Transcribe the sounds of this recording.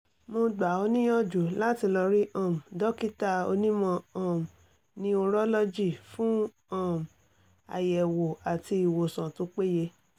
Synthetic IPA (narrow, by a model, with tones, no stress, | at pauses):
mo˧ɡ͡ba˨o˧nĩ˦jɔ˦˨d͡ʒu˨la˦ti˧lɔ˧ɾi˦ʔɔ̃˦˨m̩˨dɔ˦ki˦ta˧o̰˧nĩ˦mɔ̃˧ɔ̃˦˨m̩˨ | nĩ˦o˧ɾɔ˦lɔ˦d͡ʒi˦˨fũ˦ | ɔ̃˦˨m̩˨ | a̰˨jɛ˨wo˨a˨ti˧i˨wo˨sã˨to˨˦k͡pe˦je˧